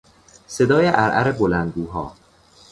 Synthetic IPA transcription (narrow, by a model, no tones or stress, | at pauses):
se̞d̪ɒːjeʔæɾʔæ̰ɾebolænd̪̚ɡuːɦɒ̰ː